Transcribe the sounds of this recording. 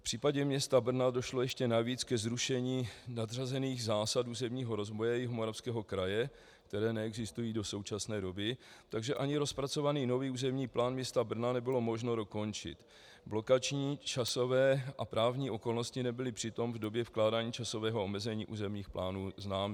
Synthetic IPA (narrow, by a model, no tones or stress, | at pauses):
fpr̥iːpaɟɛmɲɛst̪abr̩nado̞ʃlo̞jɛʃcɛnaviːt͡skɛzɾuʃɛɲiːnadr̝azɛniːɣzaːsatuːzɛmɲiːɦo̞ɾo̞zvojɛjɛɦomo̞ɾafskɛːɦo̞kɾajɛ | kt̪ɛɾɛːnɛɛɡzɪst̪ujiːdo̞so̞wt͡ʃasnɛːdo̞bɪt̪aɡʒɛʔaɲɪɾo̞spɾat͡so̞vaniːno̞viːuːzɛmɲiːplʔaːnmɲɛst̪abr̩nanɛbɪlo̞mo̞ʒno̞do̞ko̞nt͡ʃɪ̰t̪ | blo̞kat͡ʃɲiːt͡ʃaso̞vɛːʔapɾaːvɲiːʔo̞ko̞lno̞scɪnɛbɪlɪpr̥ɪt̪o̞mvdo̞bjɛfklaːdaːɲiːt͡ʃaso̞vɛːɦo̞omɛzɛɲiːʔuːzɛmɲiːxplʔaːnuːznaːmɛ